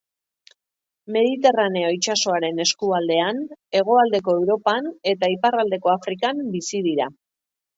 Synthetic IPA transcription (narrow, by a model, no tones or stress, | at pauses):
me̞ð̞it̪e̞rane̞ojt͡ʃaso̞aɾe̞ne̞skuald̪e̞ane̞ɣ̞o̞ald̪e̞ko̞ewɾo̞pane̞t̪aiparald̪e̞ko̞afɾikambisið̞iɾa